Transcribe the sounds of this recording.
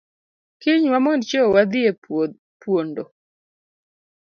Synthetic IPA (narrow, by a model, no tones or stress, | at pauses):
kɪɲwamɔnt͡ʃɔwad̪ɪe | pwondo